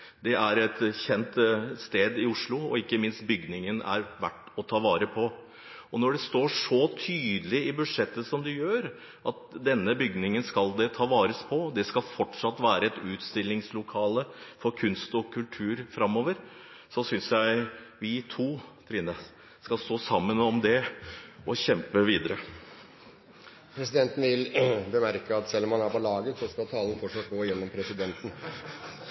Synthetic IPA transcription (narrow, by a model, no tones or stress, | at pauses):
d̪ɛʔæɾɛt̪çɛnt̪st̪eːd̪ɪʊʂɭʊɔ̰ɪkːəmɪnst̪bʏɡnɪŋənæ̰ɾʋæʈː | ɔt̪ʰɑːʋɑːɾəpʰɔ | ɔnɔɖɛst̪oːʂɔt̪ʰyːd̪əlɪɪbʉd̪ʂɛt̪ːəsɔmd̪ɛjøːɾ | ʔɑt̪̚d̪ɛnːəbʏɡnɪŋənskɑld̪ɛt̪ʰɑːʋɑːɾəspʰɔd̪ɛskɑlfɔʈʂɑt̪ːʋæːɾəɛt̪ʉːt̪st̪ɪlːɪŋslʊkʰɑːləfɔɾkʰʉnst̪ɔkʰʉlt̪ʰʉːɾfɾɑmːoːʋəɾ | sɔsʏnsjæɪʋɪt̪ʰuːt̪ʰɾɪːnə | skɑlst̪oːsɑmːənɔmd̪ɛʔɔɕɛmpəʋiːd̪əɾə | pʰɾɛsɪd̪ɛnt̪n̩ʋɪlbəmæɾkəɑt̪sɛlːɔmhɑnæɾpɔlɑːɡəsɔskɑlt̪ʰɑːlən̩fɔʂøːt̪̚ɡoːjɛnːɔmpʰɾɛsɪd̪ɛnt̪n̩